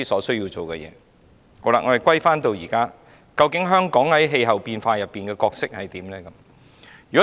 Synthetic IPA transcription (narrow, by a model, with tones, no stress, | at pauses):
i˥sɔː˨˥sɵ˥ɥjiː˧wt͡so˨wkɛ̰˧jɛ̰ː˨˧ | hɔ˨˥la̰ː˨ŋɔ˨˧hɐ˨jkʷwɐ˥jfaː˥nt̪o˧wjiː˨˩kaː˥ | kɐ˧wkɪ˨˥ŋɦœː˥ŋkɔː˨˥ŋhɐ˨˥jɦe˧jɦɐ˨wpiː˧nfaː˧jɐ˨pːiː˨˩nkɛː˧kɔː˧k̚sɪ˥k̚hɐ˨jt̪iː˨˥mlɛː˥kɐ˨˦m | jyː˨kɔ˨˦˥